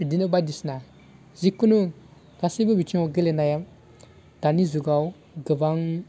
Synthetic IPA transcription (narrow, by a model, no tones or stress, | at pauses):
idinəbadisna | zikːunu | kasibubit͡ʃioɡəlenajam | d̥anizuɡaw | ɡəvaŋ